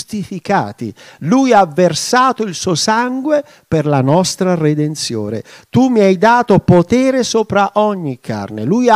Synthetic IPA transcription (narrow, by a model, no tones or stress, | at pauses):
st̪ifika̰ːt̪ḭlujavːersaːt̪oilsuoːsaŋɡwe | perlanɔst̪ɾared̪ent̪sjo̰ːnḛt̪umːiajd̪aːt̪opot̪ɛːɾesoːpɾaʔɔɲːikʰːa̰rneluja